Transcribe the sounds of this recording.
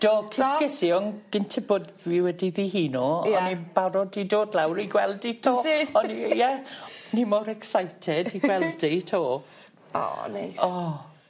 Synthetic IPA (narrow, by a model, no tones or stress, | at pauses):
d̥oːkʰɪskɛsjɔnɡ̥ɪntʰɛboːdðiwɛdiðiːɦiːnoɔnib̥aɾɔdidoːdlawɾiɡwɛlˠditʰoːɔnijɛnimɔɾɛksajtʰɛdiɡwɛlˠditʰoː | ɔ̰na̰jɔ